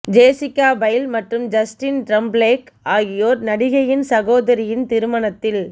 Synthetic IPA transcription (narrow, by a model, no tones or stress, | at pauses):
d͡ʒeːsɪkːaːbɐjlmɐʈrɯmd͡ʒɐsʈɪnʈɾɐmbleːk | aːɣɪjoːɾnɐɽɪɣɐjɪnsɐɣoːðɐɾɪjɪnt̪ɪɾɯmɐɳɐt̪ːɪl